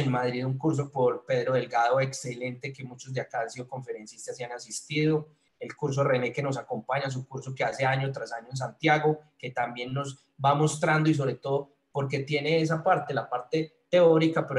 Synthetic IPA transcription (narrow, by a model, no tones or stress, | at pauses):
enmaðɾiðuŋkuɾs̬o̞po̞ɾpe̞ðɾo̞ðe̞lɡaðo̞e̞kse̞le̞nt̪e̞ke̞mut͡ʃo̞zd̪eakaansiðo̞ko̞ɱfe̞ɾe̞nsist̪asianasist̪iðo̞ | e̞lkuɾs̬o̞re̞ne̞ke̞no̞s̬ako̞mpaɲas̬ukuɾso̞ke̞ase̞aɲo̞t̪ɾasaɲoe̞ns̬ant̪jaɣo̞ke̞t̪ambje̞nːo̞z | bamo̞st̪ɾand̪o̞is̬o̞βɾe̞t̪o̞ðo | po̞ɾk̬e̞t̪je̞ne̞es̬apaɾt̪e̞lapaɾt̪e̞t̪e̞o̞ɾikapeɾ